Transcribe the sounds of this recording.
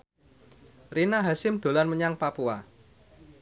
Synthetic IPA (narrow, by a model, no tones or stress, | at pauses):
rinaɦasɪmd̪̥o̤lanməɲaŋpapua̰